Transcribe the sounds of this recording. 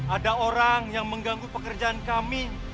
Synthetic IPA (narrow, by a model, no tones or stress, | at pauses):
adaoɾaŋjaŋməŋɡaŋɡupəkərd͡ʒaankami